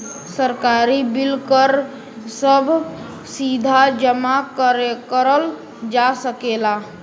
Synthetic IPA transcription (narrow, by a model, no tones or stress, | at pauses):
səɾkaɾibilkəɾ | səbʱ | sid̪ʱad͡ʒəmakəɾekəɾəl | d͡ʒasəkela